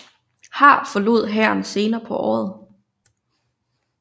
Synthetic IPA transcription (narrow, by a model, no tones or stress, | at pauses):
hɑ̈ːfɒ̽lo̝ð̞̰ˠɦæɐ̰nse̝ːnɐːpʰɒ̽ʔɒ̰ːð̩ˠ